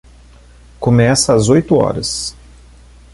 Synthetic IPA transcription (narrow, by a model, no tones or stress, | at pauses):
komɛsɐːzojt̪ʊɔ̰ɾɐs